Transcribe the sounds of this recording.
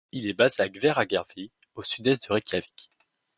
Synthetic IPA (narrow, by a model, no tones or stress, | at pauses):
ilɛbazeaɡvɛʁaɡɛʁvi | osyd̪ɛs̬t̪̚d̪əʁɛkʲjavikʲ